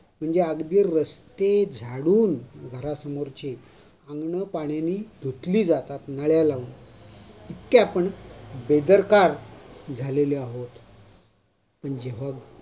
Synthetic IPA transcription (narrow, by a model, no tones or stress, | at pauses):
m̤əɳd͡zeaɡd̪iːɾːəst̪ed͡zʱaɽuːnɡʱəɾasəmoɾt͡ɕe | ãŋɡɳəpaɳjaniːd̪ʱot̪liːd͡zat̪at̪nəɭjalaʋun | it̪kepəɳbed̪əɾkaɾd͡zʱaleleaɦot̪ | pəɳd͡ʑeʋ̤a